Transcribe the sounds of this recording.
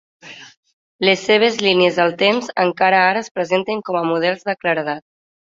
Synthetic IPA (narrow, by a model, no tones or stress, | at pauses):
lesːeβ̞ezliniezəlˠt̪emzəŋkaɾəaɾəspɾəzent̪eŋkɔməmuðɛlˠzðəkləɾəðat̪